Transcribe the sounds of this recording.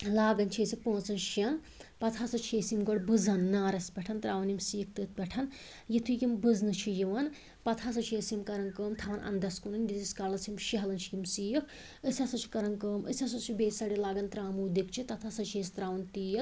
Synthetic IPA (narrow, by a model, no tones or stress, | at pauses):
laːɡɐnt͡ʃʰiesipõːt͡sɐnʃjɐn | pɐt̪ʰasɐt͡ʃʰiesimɡoɽbɨzɐnːaːɾɐspʲɛʈʰɐnt̪ɾaːʋɐnimsiːk̚ʰt̪ɨt̪̚ʰpʲɛʈʰɐn | jit̪ʰujimbɨznɨt͡ʃʰijiʋɐn | pɐt̪ʰas̬ɐt͡ʃʰiesimkɐɾɐnkəːmt̪ʰaʋɐnʔɐ̰nd̪ɐskunɨnjit̪iskalɐt͡sʰjimʃiɦɐlɐnt͡ʃʰijimsiːjkʰ | əsʲasɐt͡ʃʰi̥kɐɾɐŋkəːmə̰sʲasɐt͡ʃʰibeːsɐɽilaːɡɐnt̪ɾaːmuːd̪ikt͡ʃʰit̪ɐt̪ʰasɐt͡ʃʰieːst̪ɾaːʋɐnt̪iːjɐt̪